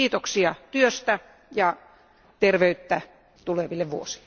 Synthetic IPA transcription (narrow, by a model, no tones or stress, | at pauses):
iːt̪oksiɑt̪yøst̪æ | jɑ | t̪erʋeyt̪ːæ | t̪uleʋilːeʋʋṵosi̥lːe